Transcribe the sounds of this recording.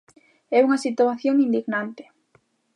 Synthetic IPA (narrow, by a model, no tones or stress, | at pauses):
ɛuŋasit̪uaθjoŋind̪iɣnant̪ɪ̥